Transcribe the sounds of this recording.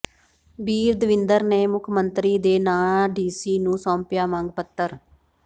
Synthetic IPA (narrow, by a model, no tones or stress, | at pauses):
biːɾd̪əʋɪnd̪əɾneːmʊkʰmənt̪ɾiːd̪eːnaːɖiːsiːnũːsɔ̃ːmpjaːmãŋɡpət̪ːəɾ